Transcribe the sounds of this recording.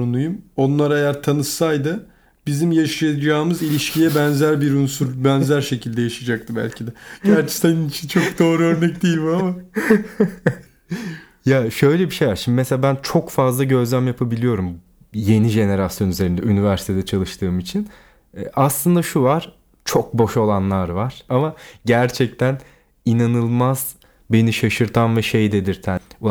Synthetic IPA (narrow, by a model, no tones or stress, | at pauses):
ɾunujumo̞nlˠaɾajæɾt̪ʰanɯsajd̪ɯ | bizimjaʃajad͡ʒaːmɯzilʲiʃcʰijɛbænzæɾbiɾunsuɾbɛnzæɾʃe̞cʰilʲd̪ɛjaʃad͡ʒak̚t̪ʰɯbæ̰lʲcʰid̪ɛɟæɾt͡ʃʰɛ̥saninit͡ʃʰint͡ʃʰok̚d̪o̞ːɾuøɾnɛcd̪ijilʲmama | jaʃø̞jlʲebiʃe̞jvaɾʃimb̪imseabænt͡ʃʰo̞kfazlˠaɟø̞zlʲæmjapʰabilʲijo̞ɾum | je̞niʒe̞ne̞ɾasjo̞nyze̞ɾind̪ɛynivæɾsi̥t̪ʰe̞d̪ɛt͡ʃʰalˠɯʃt̪ʰɯːmit͡ʃʰin | ʔaslˠɯnd̪aʃuvaɾ̥ | t͡ʃʰo̞k̚bo̞ʃo̞lˠanlˠaɾvaɾ̥amaɟæɾt͡ʃʰɛc̚t̪ʰæn | inanɯlˠmaz̥ | be̞niʃaʃɯɾt̪ʰanvɛʃe̞jd̪e̞d̪iɾt̪ʰæ